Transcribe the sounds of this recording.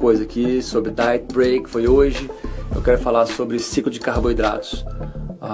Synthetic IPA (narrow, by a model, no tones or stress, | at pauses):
kojzɐkɪsobɾɪd̪ajt̪bɾejkɪ̥fojoʒɪḛwkɛɾʊfalasobɾɪsiklʊd͡ʒɪkahbojd̪ɾa̰t̪ʊ̥sa